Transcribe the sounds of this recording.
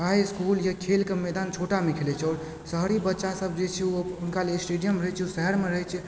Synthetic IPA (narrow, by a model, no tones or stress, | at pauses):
kaɦjskuljakʰelkemɛd̪ant͡ʃʰoʈamekʰelɛt͡ʃʰɔːɾ | səɦɾibətːʃasəb̚d͡ʒet͡ʃʰɛuʊnkalesʈeɖijəmɾəɦɛt͡ʃʰusɛɦəɾmeɾəɦɛt͡ʃʰɛ